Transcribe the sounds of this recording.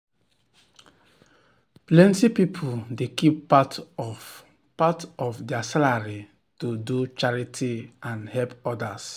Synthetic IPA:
plɛ̃ntipipʰudekipːat | patɔfdɛasalaɹi | tudut͡ʃaɹitʰiãnhɛpɔdas

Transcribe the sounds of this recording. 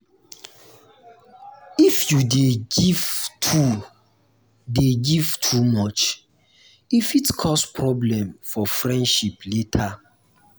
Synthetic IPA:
ifjudeɡivtʰu | deɡiv̥tʰumɔt͡ʃ | ifitkʰɔspɹɔblɛ̃mfɔfɹɛ̃ndʃipletʰa

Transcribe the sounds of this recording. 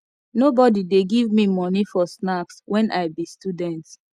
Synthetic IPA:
nobɔdideɡivmimɔnifɔsnakswʔɛ̃nʔaɪbistudɛ̃nt

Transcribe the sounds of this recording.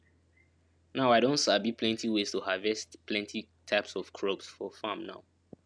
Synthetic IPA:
naʊaɪɾõntsabipʰlɛ̃ntʰiwestuhavɛstpʰlɛ̃ntʰi | tʰaɪpsɔv̥kʰɹopsfɔfamna̰ʊ

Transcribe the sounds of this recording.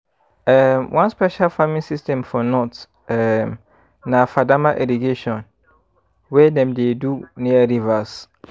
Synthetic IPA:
ɛmwʔãnspɛʃalfamĩnsistɛ̃mfɔnɔt | ɛm | nafadamaʔiɾiɡeʃɔ̃n | wɛdɛ̃mdeduniaɾivas

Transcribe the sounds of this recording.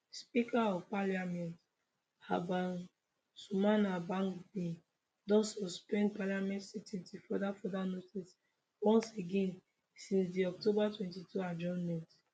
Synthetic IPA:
spikaɔpaliamɛ̃nt | abãn | sumanabãŋkbĩ | dɔ̃sɔspɛ̃ndpaliamɛ̃ntsitĩntifɔdafɔdanotis | wɔ̃nseɡɛ̃n | sĩnsdiɔk̚tobatwɛ̃ntituad͡ʒɔ̃nmɛ̃nt

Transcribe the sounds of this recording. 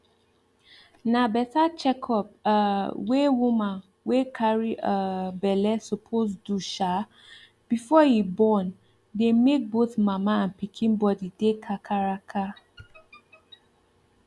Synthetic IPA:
nabɛtat͡ʃɛkʰɔpawewumãn | wekʰaɹiʔabɛlɛsɔpʰosduʃa | b̥ifɔhibɔ̃n | demek̚boθmamaãnpikʰĩnbɔdidekʰakʰaɹakʰa

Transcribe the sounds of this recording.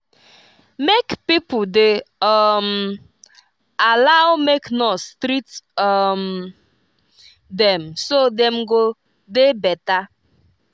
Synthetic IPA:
mekpipʊdeɔm | alaʊwmeknostɾitɔm | dɛ̃msodɛ̃mɡo | debɛta

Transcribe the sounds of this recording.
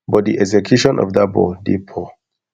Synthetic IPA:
bɔt̚diʔɛzɛkʰjuʃɔ̃nʔɔ̰vdabɔ̰dipʰɔ

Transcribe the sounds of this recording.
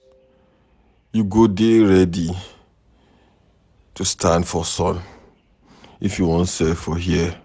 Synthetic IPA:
juɡodeɹɛdi | tʰustʰãndfɔsɔ̃n | ifjuwɔ̃nsɛfɔɦiə

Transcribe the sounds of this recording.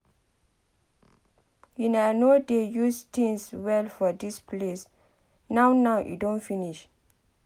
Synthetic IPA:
jinalnodejustʰĩŋswɛlfɔdispʰles | nawnawʔṵdõnfiniʃ

